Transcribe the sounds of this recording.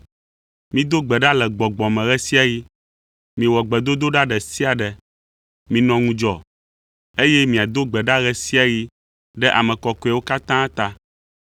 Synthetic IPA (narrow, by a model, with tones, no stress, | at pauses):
mĩ˦d̪o˦ɡ͡bɛ˨ɖa˦lɛ˨ɡ͡bɔ˨ɡ͡bɔ̃˨mɛ̃˨ɣɛ˦si˦a˨ji˦ | mĩ˨wɔ˨ɡ͡bɛ˨d̪o˦d̪o˦ɖa˦ɖɛ˨si˦a˨ɖɛ˨ | mĩ˨nɔ̃˨ŋũ˨˦d͡ʒɔ˨ | e˦jɛ˦mĩ˨a˨d̪o˦ɡ͡bɛ˨ɖa˦ɣɛ˦si˦a˨ji˦ | ɖɛ˦ʔa˨mɛ̃˨kɔ˨ko˨˦ɛ˨wo˦ka˦t̪ã˦t̪a˦